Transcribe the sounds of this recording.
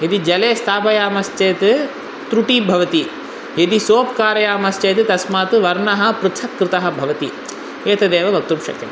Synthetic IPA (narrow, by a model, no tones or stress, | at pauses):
jɐd̪id͡ʒɐleːst̪ʰaːpɐjaːmɐst͡ʃeːt̪ɨ | t̪ɾuʈiːbʱɐʋɐt̪i | jed̪isoːp̚kaːɾɐjaːmɐst͡ʃeːt̪ɨt̪ɐsmaːt̪ɨʋɐɾɳɐɦɐpɾɨt͡ʃ̪ʰɐkːɾɨt̪ɐɦɐ̆bʱɐʋɐt̪i | eːt̪ɐd̪eːʋɐʋɐk̚t̪upʃɐ̰kt̪ɐ̰